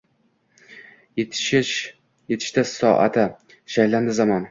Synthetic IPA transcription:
ʃɪʃ | jet̪ʰɪ̥ʃt̪asɒʔa̰t̪ʰɪ | ʃajland̪ɪzamɒn

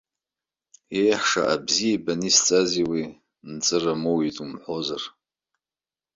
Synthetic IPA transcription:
e̞jħʂa̰ʔabzijabanist͡sʼaziwi | nt͡sʼɨramowitʼumħʷozar

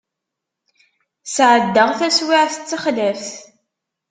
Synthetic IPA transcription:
sʕəd̪ːəʁθæswiʕθə̥t͡sːaχðæfθ

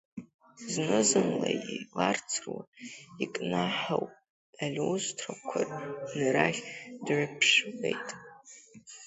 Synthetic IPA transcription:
znɨzɨmlajilart͡sʰrwaikʼnaħawʼ | alʲowzʷtʰrakʷʰarnɨɾaχʲdrɨpʰʂlejtʼ

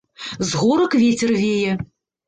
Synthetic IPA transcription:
zɣuɾɐkvʲet͡sʲɛrvʲejɛ

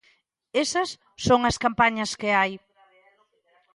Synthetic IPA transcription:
esɐsːoŋɐskampaɲɐskɪaj

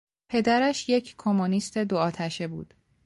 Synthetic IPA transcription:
pʰe̞d̪æɾæʃje̞cʰkʰomonist̪ʰe̞d̪oɒːt̪ʰæʃe̞buːd̪̥

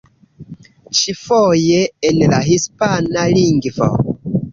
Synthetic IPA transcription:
t͡ʃifojeːnlaɦispanaliŋɡvo̰

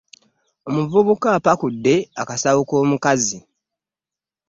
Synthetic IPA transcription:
o̞muvuβukapakudːe̞akasawuko̞ːmukazi

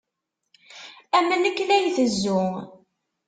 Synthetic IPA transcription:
æmənəkːlæjθəzːʊ

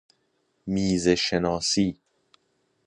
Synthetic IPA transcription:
miːzeʃenɒːsiː

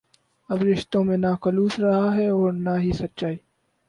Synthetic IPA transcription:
ɐbɾɪʃt̪õmẽnaːkɐluːsɾɐɦaɦɛɔːɾnaːɦisɐtːʃaːiː

